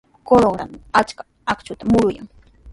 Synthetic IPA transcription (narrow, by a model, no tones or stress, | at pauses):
koloɡɾa̰nat͡ʃkḁ | akt͡ʃʊt̪amʊɾʊja̰ŋ